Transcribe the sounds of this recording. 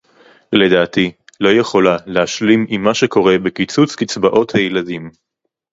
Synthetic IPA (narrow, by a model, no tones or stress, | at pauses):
le̞daːtilo̞jeχo̞lalehaʃlimimːaʃeko̞ʁe̞bekit͡sut͡skit͡sbaʔo̞thajeladim